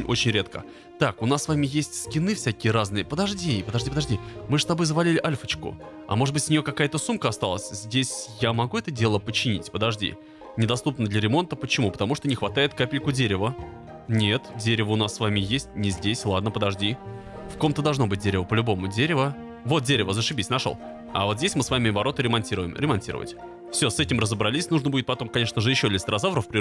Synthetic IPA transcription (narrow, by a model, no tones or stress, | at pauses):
nʲo̞t͡ɕɪnʲɾʲet̪kə̰ | t̪akʊnasːvamʲɪjesʲtʲskʲɪnɨfsʲækʲɪjəɾaznɨjəpəd̪ɐʐdʲipəd̪ɐʐdʲipəd̪ɐʐdʲimɨʂst̪ɐbojzəvɐlʲilʲɪʔalʲfət͡ɕkʊ̰ | ɐ̰mo̞ʐɨd̪bɨtʲsʲnʲɪjokɐkajət̪əsumkəɐst̪alˠəsʲzʲdʲesʲjamɐɡuɛt̪ədʲe̞lˠəpət͡ɕɪnʲḭtʲpəd̪ɐʐdʲḭ | nʲɪd̪ɐst̪upnəd̪lʲəɾʲɪmo̞nt̪əpət͡ɕɪmupə̥t̪ɐmuʂt̪onʲɪxvɐt̪ajɪt̪kapʲɪlʲkʊdʲeɾʲɪvə | nʲet̪dʲeɾʲɪvəʊnasːvamʲɪjesʲtʲnʲɪzʲdʲesʲlˠad̪̚nəpəd̪ɐʐdʲi | fko̞mt̪əd̪ɐlˠʐno̞bɨt̚ʲdʲeɾʲɪvəpəlʲʊbo̞mʊdʲeɾʲɪvə | vo̞t̪̚dʲeɾʲɪvəzəʂɨbʲisʲnɐʂo̰lˠ | ɐ̰vo̞t̪zʲdʲesʲmɨsvamʲɪvɐɾo̞t̪əɾʲɪmɐnʲtʲiɾʊ̰jɪ̰mɾʲɪmɐnʲtʲḭɾə̰və̰tʲ | fsʲosɛtʲɪmrəzəbɾɐlʲisʲnuʐnəbudʲɪt̪pɐt̪o̞mkɐnʲe̞ʂnəʐɨjɪɕːolʲɪst̪ɾɐzavɾəfpɾʲɪ